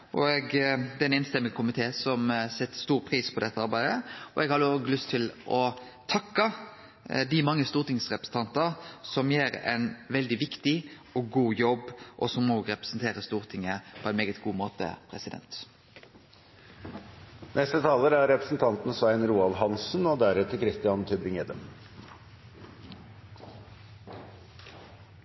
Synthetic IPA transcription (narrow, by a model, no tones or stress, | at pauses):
ʔɔɛɡd̪ɛɛnɛːnst̪ɛmːɪɡkʰʊmɪt̪ʰeːsɔmsɛt̪ːst̪uːɾpʰɾiːspʰɔd̪ɛt̪ːəɑɾbæɪd̪əɔʔɛɡhɑd̪əɔːɡəlʏst̪ʰːɪlʔɔ | t̪ʰɑkːɑ | d̪ɪmɑŋːəst̪uːʁt̪ɪŋsʁɛpɾəsn̩t̪ʰɑnt̪ɑɾsɔmjeːɾɛ̰ɪnʋɛld̪ɪʋɪkt̪ɪ | ɔɡuːjɔbʔɔsɔmnoːɡɾɛpɾə̥sn̩t̪ʰeːɾəst̪uːʁt̪ʰɪŋəpʰɔɛɪnmeːɡət̪ɡuːmoːt̪ə̰pʰɾɛsɪd̪ɛ̰nt̪ | nʔɛst̪ət̪ʰɑːləɾæɾɛpɾəsn̩t̪ʰɑnt̪n̩sʋæɪnɾuːɑlɦɑnsn̩ɔd̪æɾɛt̪əkʰɾɪst̪ɪɑnt̪ʰʏbɾɪŋeːd̪əm